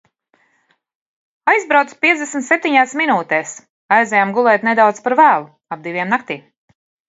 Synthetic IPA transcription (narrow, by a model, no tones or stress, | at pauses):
ajzbɾawt̪spʲiɛd̪esmʲt̪sep̚t̪iɲaːsminuːt̪ɛːs | ajzɛjamɡulˠɛːt̪ʲned̪awt̪spaɾvæːlˠu | ab̚d̪ivʲiɛmnak̚t̪iːm